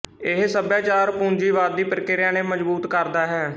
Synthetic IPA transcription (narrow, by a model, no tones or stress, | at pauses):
ɪɦsəbjaːt͡ʃaːɾpũːnd͡ʒiːʋaːɾd̪iːpɾɪkɪɾjãːneːməd͡ʒbuːt̪kəɾd̪aːɦɛː